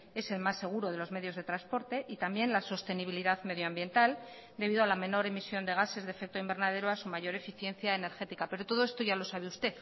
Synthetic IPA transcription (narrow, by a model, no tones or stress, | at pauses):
e̞se̞lmasːe̞ɣ̞uɾo̞ð̞e̞lo̞zme̞ðjo̞zð̞e̞t̪ɾanspo̞ɾt̪e̞ʔit̪ambje̞nlaso̞st̪e̞niβiliðaðme̞ðjoambje̞nt̪al | d̪e̞β̞iðoalamẽ̞no̞ɾe̞misjo̞nd̪e̞ɣ̞ase̞zðefe̞k̚t̪oimbe̞ɾnað̞e̞ɾoasumaʝo̞ɾe̞fiθje̞nθjaene̞ɾxe̞t̪ikape̞ɾo̞t̪o̞ð̞o̞e̞st̪o̞ʝalo̞saβ̞e̞ust̪e̞θ